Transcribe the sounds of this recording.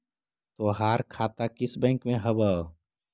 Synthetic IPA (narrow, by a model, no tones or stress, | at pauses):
t̪oːɦaːɾkʰaːt̪akɪsbɛ̃ːŋkmẽɦɐbə